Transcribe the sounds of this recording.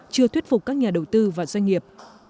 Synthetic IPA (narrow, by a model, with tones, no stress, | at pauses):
t͡ɕɨ˧ət̪wt̚fʊ˨˩k͡p̚kːaː˦˥k̚ɲaː˨˩ɗə˨˩wt̪ɨ˧vaː˨˩zwa˧jŋ̟ŋi˨˩əp̚